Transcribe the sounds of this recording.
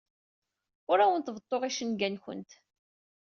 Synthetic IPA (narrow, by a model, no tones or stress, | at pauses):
ʊɾæwənt̪vət̪ˤːoʁiʃənɡænçə̰nt̪